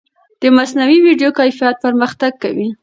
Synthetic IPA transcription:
d̪̥əmasnawiwiɖjokajfijat̪̚pəɾməxt̪aɡ̚kawi

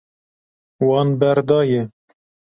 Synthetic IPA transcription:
wɑːnbɛɾd̪ɑːjɛ

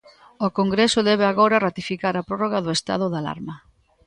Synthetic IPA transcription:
okoŋɡɾesʊðɛβ̞eaɣoɾɐrat̪ifikaɾɐpɾɔroɣaðʊest̪a̰ð̞ʊðala̰ɾmɐ

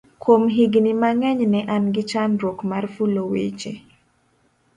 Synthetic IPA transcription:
kwomɦiɡnimaŋɛɲnɛʔanɡɪt͡ʃanɾokmarfulowḛt͡ʃḛ

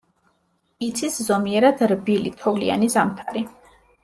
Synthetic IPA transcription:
it̪sʰiszɔmiɛɾad̪ɾbilḭt̪ʰɔvlia̰nizamt̪ʰaɾi

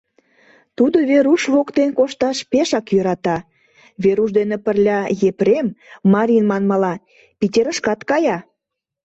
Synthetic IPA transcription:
t̪ud̪oβeɾuʃβokt̪enkoʃt̪ɑʃpeʃɑkjøɾɑt̪ɑ | βeɾuʃd̪enepərlʲɑjepɾemːɑɾʲinmɑnmɑlɑ | pitʲeɾə̆ʃkɑt̪kɑjɑ

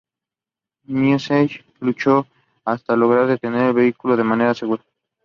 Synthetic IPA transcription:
njuseʃ | lut͡ʃo | ast̪alo̞ɣ̞ɾaɾðe̞t̪e̞ne̞ɾelβe̞ikuloð̞e̞mane̞ɾaseɣuɾa

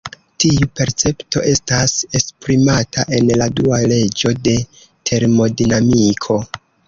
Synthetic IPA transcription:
tiupe̞ɾt͡se̞pto̞̰ʔe̞stase̞spɾimatʰaʔe̞nladuale̞d͡ʒo̞de̞ | tʰe̞ɾmo̞dinamikʰo̞

